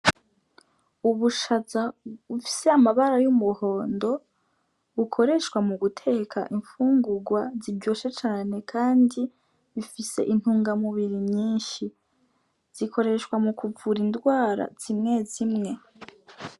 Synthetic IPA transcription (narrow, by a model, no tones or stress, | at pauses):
uβuʃazaβufi̥seamaβaɾajumuho̞ːndo̞ | βukʰo̞ɾe̞ʃkwamuɡutʰe̞kʰa̰ʔiɱfuːŋɡuɡwazibɟo̞ːʃe̞t͡ʃaːne̞kʰaːndi | βifise̞̰ʔin̥huːŋɡamuβiɾimɲiːnʃi | z̥ikʰo̞ɾe̞ʃwamukuvuɾindɡwaːɾa̰z̥imŋe̞zimŋe̞